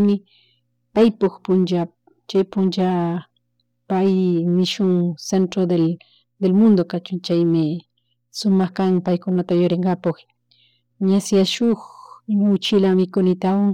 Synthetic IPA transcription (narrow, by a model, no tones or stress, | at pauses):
mɪ | pajpokpʊnt͡ʃa | t͡ʃajpʊnt͡ʃa | pajmɪʃʊŋsent̪ɾod̪e | d̪elmʊnd̪okat͡ʃʊŋt͡ʃajmɪ | sʊmɑxkaŋpajkʊnat̪ajoɾeŋɢɑpoχ | ɲasjaʃʊxmaʊt͡ʃɪlamɪkʊnɪt̪awaŋ